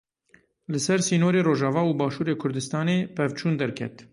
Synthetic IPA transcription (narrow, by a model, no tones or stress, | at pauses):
lɨsɛɾsiːnoːɾeːɾoːʒɑːvɑːuːbɑːʃuːɾeːkʰʊɾd̪ɨst̪ɑːneːpɛvt͡ʃʰuːnd̪ɛɾkʰɛ̰t̪